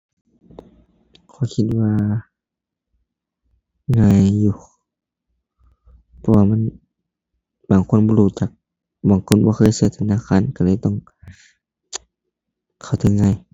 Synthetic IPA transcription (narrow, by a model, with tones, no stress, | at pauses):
kʰɔː˧˩˦kʰi˧t̪̚waː˧ | ŋaː˧˨jːuː˧ | pʰɔ˧waː˧ma˧˥˨n | baː˨˩˨ŋkʰu˧˥˨nbɔː˧˨luː˧˩t͡ɕaː˨˩k̚ | baː˨˦ŋkʰo˧˨nbɔː˧˦xʰɤː˧˥˨jsɯ˧˦t̪ʰa˧˨naː˧˨kʰaː˧˥˨nka˧˩lɤː˧˨t̪ɔ˧˩˨ŋ | kʰa˨˩wt̪ʰɯ˧˦ŋŋa˧˩˨j